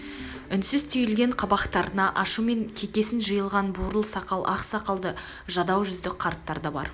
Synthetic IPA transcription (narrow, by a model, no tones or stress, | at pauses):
ʏnsɪzt̪ʰʏjɪlɡʲe̞ɴqʰɑbɑqt̪ɑɾənɑʔɑʃume̞ŋkʲʰe̞kʲe̞sɪnʒəjəlˠʁɑnbuɾəlˠsɑqɑlˠʔɑqsɑqɑlˠd̪ə | ʒɑd̪ɑwʒʏzd̪ɪk̚qʰɑɾt̪ːɑɾd̪ɑbɑ̰ɾ